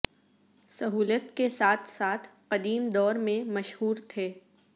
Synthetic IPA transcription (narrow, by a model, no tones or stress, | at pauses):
sɐɦuːlət̪kesaːt̪ʰsaːt̪ʰqɐd̪iːmd̪ɔːɾmẽmɐʃɦuːɾt̪ʰeː